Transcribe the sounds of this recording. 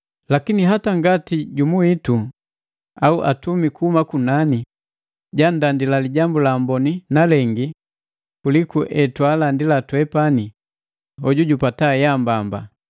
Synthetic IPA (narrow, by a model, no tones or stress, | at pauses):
lakiniɦataŋɡatiɟumuitu | auʔatumikuhumakunani | ɟandandilaliɟambulaːmbɔninalɛŋɡi | kulikuʔɛtwalandilatwɛpani | ɔɟuɟupatajambamba